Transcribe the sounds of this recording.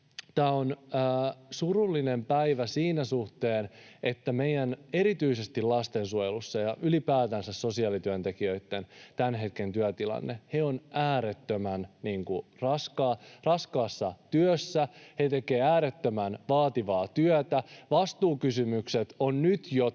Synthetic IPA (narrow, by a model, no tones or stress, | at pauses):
t̪æːonː | surulːinempæiʋæsiːnæsuht̪e̞ːnet̪ːæmejæneɾit̪yise̞st̪ilɑst̪ensuojelusːɑjɑʔylipæːt̪ænsæsso̞siɑːlit̪yønt̪e̞kiøit̪ːe̞nt̪ænɦe̞t̪ke̞nt̪yæt̪ilɑ̰nːehe̞o̞næːɾet̪ːømænniːŋkurɑskɑːrɑskɑːsːɑt̪yøsːæhet̪e̞keːæːɾet̪ːømænʋɑːt̪iʋɑːt̪yœt̪æʋɑst̪uːkysymykset̪onnyt̪jo